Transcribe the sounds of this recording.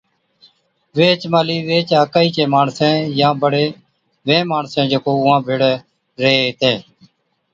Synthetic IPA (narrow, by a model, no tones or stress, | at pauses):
ʋeːt͡ʃmaːliːʋeːt͡ʃaːkaːiːt͡ʃẽːmaːɳsẽːjãːbəɽeː | ʋẽːmaːɳsẽːd͡ʒəkoːʊãːbʱɪɽ | ɾeeːt̪ẽː